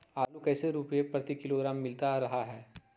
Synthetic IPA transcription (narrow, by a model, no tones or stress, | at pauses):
aːlukɛːseɾuːpepɾɐt̪ikɪloɡɾaːmːɪlt̪aɾɐɦaɦɛː